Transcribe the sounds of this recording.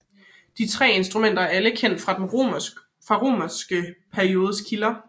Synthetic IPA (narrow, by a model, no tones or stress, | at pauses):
d̥it͡sʰʁɛ̰ːe̝nsd̥ʁumen̰d̥ɐæɐæləkʰen̰d̥fʁɑ̈d̥en | fʁɑ̈ʁo̝̰ːmɐsɡ̥əpʰæɐio̝ːð̞ˠəskʰilɐ